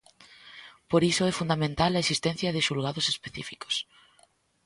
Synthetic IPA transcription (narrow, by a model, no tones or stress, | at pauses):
poɾisʊɛfund̪amẽnt̪alɐesist̪ɛ̃n̟θjɐðɪʃulɣaðʊsespeθḭfiko̥s